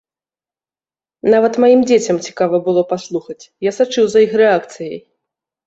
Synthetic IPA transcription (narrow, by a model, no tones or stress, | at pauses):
navɐt̪majimd͡zʲet͡sʲɐmt͡sʲi̥kavɐbɨlˠɔpaslˠuxɐt͡sʲjasat͡ʂɨwzɐixɾɛakt̪sɨjɐj